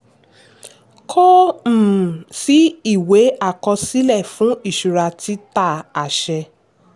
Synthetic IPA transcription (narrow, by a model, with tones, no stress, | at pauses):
kʰɔ˦m̩˦˨si˨˦i˦˨we˨˦a˦˨kɔ˧si˦lɛ˦˨fũ˨˦i˦˨ʃu˨ɾa˧ti˦ta˦˨a˨ʃɛ˧